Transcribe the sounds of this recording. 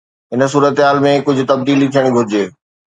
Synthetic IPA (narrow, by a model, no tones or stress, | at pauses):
ɦɪns̬uːɾət̪ɦaːlmẽkʊd͡ʑʱʊ̆t̪ɐb̚d̪iːlit̪ʰijəɽ̃ɡʱʊɾɪd͡ʑeː